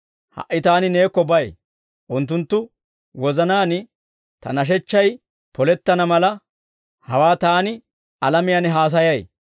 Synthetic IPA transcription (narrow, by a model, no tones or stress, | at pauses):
hɐ̰ʔːɪt̪aːnɪne̞ːkːɔbɐj | ʔʊnt̪ːʊnt̪ːʊ | wɔzɐnaːnɪ | t̪ɐ̰nɐʃ̬ɛt͡ʃːɐj | pɔlɛt̪ːɐnɐmɐlɐ | hɐwaːt̪aːnɪ | ɐlɐmɪjɐnɦaːs̬ɐjɐj